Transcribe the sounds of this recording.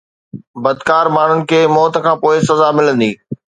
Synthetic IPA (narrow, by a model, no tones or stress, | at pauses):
bɐd̪kaːɾmaːɳ̤ʊnɪ̆kʰeːmɔːt̪kʰãːpoːɪsɐzamɪlə̃nd̪iː